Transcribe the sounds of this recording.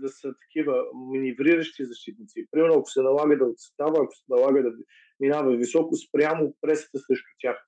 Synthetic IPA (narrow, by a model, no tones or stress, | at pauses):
d̪ɐsət̪ɐ̥kʲivəminivɾiɾəʃt̪izɐʃt̪it̪̚nit̪sipɾimɛɾnʊɐkʊ̥sɛnɐlˠaɡəd̪ɐot̪st̪avəːkʊ̥sɛnɐlˠaɡəd̪ɐ | minavəvisɔkʊspɾjamʊpɾɛsə̥t̪əsɾɛʃt̪ʊ̥t̪ʲjax